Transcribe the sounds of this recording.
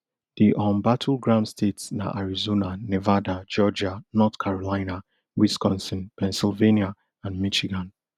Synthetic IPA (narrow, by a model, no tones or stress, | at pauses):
d̥iʔɔ̃mbatʰulɡɹãnstʰetsna̰ʔaɹizonanevadad͡ʒɔd͡ʒanɔtkʰaɹɔlaɪna | wiskɔ̃nsə̃npʰɛ̃nsilvenia | ãnmiʃiɡãn